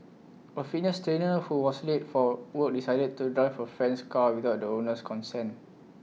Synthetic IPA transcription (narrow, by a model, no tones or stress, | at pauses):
əfinəstɹenəhuwɔsletfɔwək̚disaɪdəd̚tudɹaɪfəfɹɛ̃nskawiθaʊt̚dəonəskʰɔ̃nsɛ̃n